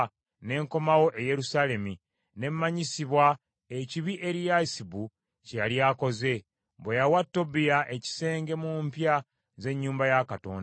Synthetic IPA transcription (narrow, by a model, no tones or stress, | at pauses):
ne̞ŋko̞mawo̞ʔeje̞ɾusale̞mi | ne̞mːaɲisiβwa | eciβiʔe̞ɾijasibu | cejalijako̞ze̞ | bwejawatːo̞bijaʔe̞ci̥se̞ːŋɡe̞mumpja | ze̞ɲːuːmbajakato̞̰ːnda